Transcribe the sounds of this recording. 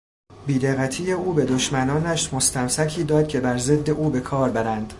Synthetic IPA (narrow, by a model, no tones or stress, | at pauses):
biːd̪eɣːæt̪ʰiːjeuːbe̞d̪o̞ʃmænɒːnæʃmo̞st̪æmsæcʰiːd̪ɒːd̪̚cʲʰe̞bæɾze̞d̪ːe̞ʔuːbe̞kʰɒːɾbæɾænd̪̥